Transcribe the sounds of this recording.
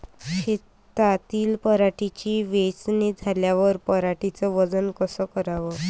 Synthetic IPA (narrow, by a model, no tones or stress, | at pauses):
ɕe | t̪at̪iːlpəɾaʈit͡ɕiːʋet͡sned͡zʱaljaʋəɾpəɾaʈit͡səʋəd͡zənkəsəkəɾaʋə